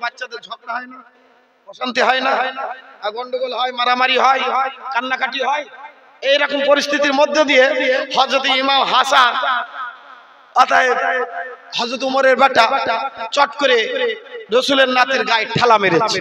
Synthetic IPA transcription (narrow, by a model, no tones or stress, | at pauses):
batːʃad̪eɾd͡ʒʱɔk̚naɦɔjna | ɔʃant̪iɦɔjnaaɡɔɳɖoɡolɦɔjmaɾamaɾiɦɔjkanːakaʈiɦɔj | ejɾɔkompoɾist̪ʰit̪iɾmod̪ʱːod̪ijehɔd͡ʑot̪imamɦasa | at̪aj | hɔd͡ʑot̪umoɾeɾbʱaʈːaʈat͡ɕɔʈkoɾe | ɾosuleɾnat̪iɾɡajʈʰːɛlameɾee